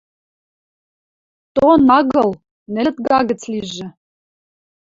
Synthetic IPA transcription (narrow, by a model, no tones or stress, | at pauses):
t̪onɑɣɤ̆lˠ | nɘ̆t̪̚ɡɑɣə̆t͡sliʒɘ̆